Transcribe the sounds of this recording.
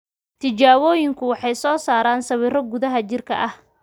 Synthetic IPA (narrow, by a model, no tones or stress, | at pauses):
t̪ʰɪt͡ʃaːwɔːjɪŋkʰʊwɑħɑjsɔːsaːɾaːnsɐwiːrɔɡʊðɐɦɐt͡ʃɪrkʰɐ̰ʔɐh